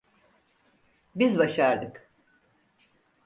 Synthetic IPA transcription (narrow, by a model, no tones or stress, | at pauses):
bizbaʃaɾd̪ɯk